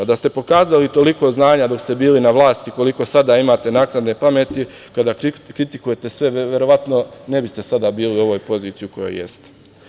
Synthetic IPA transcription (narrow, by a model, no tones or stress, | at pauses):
ad̪ast̪e̞po̞kaːzalit̪o̞liko̞znaːɲad̪o̞kst̪e̞biːlinaʋlˠaːst̪iko̞liko̞sad̪aimat̪e̞naːknad̪ne̞pame̞t̪ikad̪akɾit̪ikuje̞t̪e̞sʋe̞ʋʋje̞ɾo̞ʋat̪no̞ne̞bist̪esad̪abiːliuo̞ʋo̞ːjpo̞ziːt̪ijuko̞jo̰je̞̰st̪e̥